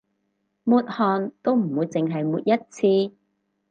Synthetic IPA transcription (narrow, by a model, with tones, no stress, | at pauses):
muː˨˧t̚hɔː˨nt̪o˥wm̩˨˩wuː˨˧jt͡sɪ˨ŋɦɐ˨jmuː˨˧t̚jɐ˥t̚t͡sʰiː˧